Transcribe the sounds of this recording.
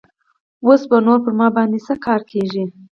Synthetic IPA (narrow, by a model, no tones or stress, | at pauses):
wosbanoɾpəɾmɑbɑnd̪esəkʰɑɾkʰeʒi